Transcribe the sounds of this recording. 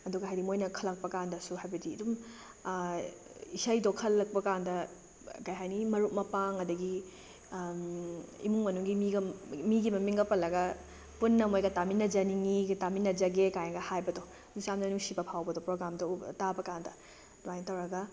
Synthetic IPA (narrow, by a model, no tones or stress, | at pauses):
ɐduɡɐɦajɾimojnɐkʰɐlɐk̚pɐkandɐsuɦajbɐdiɐdum | isajdokʰɐlːɐk̚pɐkandɐ | kɐjɦajnimɐɾuk̚mɐpaŋɐdɐɡi | ḭmuŋmɐnuŋɡimiɡɐmiɡimɐmiŋɡɐpɐlɐɡɐ | punːɐmojɡɐtaminːɐd͡ʒɐniŋiɡtaminːɐd͡ʒɐɡekajŋɡɐhajbɐdɔ | nusamdɐnuŋsibɐpʰawbɐdɔpɾoɡɾamdɐtabɐkandɐ | dwajntɐwɾɐɡɐ